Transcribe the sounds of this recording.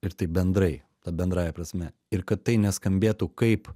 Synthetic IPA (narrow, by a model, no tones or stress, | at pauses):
ɪɾt̪ɐɪbʲɛnd̪ɾɐɪ | t̪ɐbʲɛnd̪ɾɑːjɛpɾɐsʲmʲɛ | ɪɾkɐt̪t̪ːɐɪnʲɛskɐmʲbʲeːt̪ukɐɪp